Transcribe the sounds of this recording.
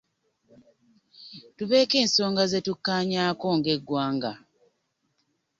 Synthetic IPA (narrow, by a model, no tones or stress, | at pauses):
tuβe̞ːke̞ːnso̞ːŋɡaze̞tukːaːɲaːko̞ŋɡe̞ɡːwaːŋɡa